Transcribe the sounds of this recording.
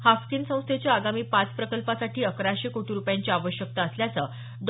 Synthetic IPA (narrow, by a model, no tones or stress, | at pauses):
hafkiːnsə̃w̃st̪ʰet͡ɕjaaɡamiːpat͡spɾəkəlpasaʈʰiːəkɾaɕekoʈʰiɾupjaɲt͡ɕiaʋəɕjək̚t̪aːsljat͡sə | d̪